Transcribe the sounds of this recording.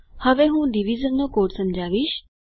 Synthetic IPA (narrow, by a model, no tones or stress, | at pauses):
həʋeɦũːɖiʋizənːokoːʈsə̃md͡ʒaːʋiːʃ